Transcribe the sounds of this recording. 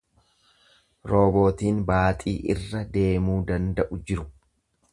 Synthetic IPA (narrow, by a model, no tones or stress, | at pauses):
ɾo̞ːbo̞ːt̪iːnbaːt̪ʼiːʔɪrːɐd̪e̞ːmuːd̪ɐnd̪ɐʔʊd͡ʒɪɾʊ